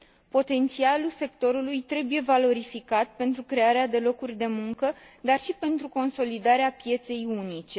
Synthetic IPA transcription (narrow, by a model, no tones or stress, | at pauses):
po̞t̪e̞nt̪sialulse̞kt̪o̞ɾulujt̪ɾe̞buje̞valo̞ɾifikat̪̚pe̞nt̪ɾukɾe̞aɾead̪e̞lo̞kurʲd̪e̞muŋkəd̪arʃipe̞nt̪ɾuko̞nso̞lid̪aɾeapije̞t̪se̞junit͡ʃe̞